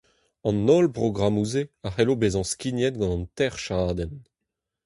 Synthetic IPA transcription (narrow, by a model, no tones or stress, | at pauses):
ɑ̃nolpʁoɡʁamuzeaχɛlobezɑ̃skinjɛt̪̚ɡɑ̃nɑ̃nt̪ɛʁʃaːd̪ɛn